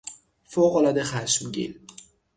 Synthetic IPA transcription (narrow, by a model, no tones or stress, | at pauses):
foɣolɒːd̪exæʃmɟḭl